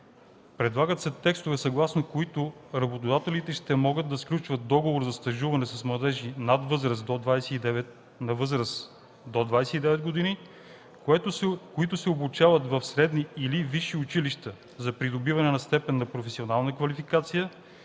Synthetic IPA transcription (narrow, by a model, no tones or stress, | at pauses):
pɾɛd̪lˠaɡət̪sɛt̪ɛkst̪ʊvɛsɐɡlˠasnokoit̪ʊɾɐbot̪od̪at̪ɛlit̪ɛʃt̪ɛmɔɡəd̪̚d̪ɐsklʲut͡ʃvət̪̚d̪ɔɡovoɾzɐst̪ɐʒuvɐnɛsɐsmlˠɐd̪ɛʒinad̪vɤzɾəsd̪od̪vajsɛid̪ɛvɛt̪ | nɐvɤzɾəs | d̪od̪vajsɛid̪ɛvɛd̪̚ɡod̪ini | koit̪ʊsɛobut͡ʃavɐt̪vɐfsɾɛd̪niiliviʃiʊt͡ʃiliʃt̪ə | zɐpɾid̪obivɐnɛnɐst̪ɛpɛnːɐpɾofɛsionalˠnəkvɐlifikat̪sijə